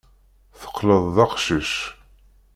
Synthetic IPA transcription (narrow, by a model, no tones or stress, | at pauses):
θə̥qːləðˤːɑqʃəʃ